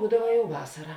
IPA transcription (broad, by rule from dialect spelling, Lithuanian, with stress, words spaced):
ˈbuːdɐʋɐ jɛʊ ˈʋɑːsɐrɐ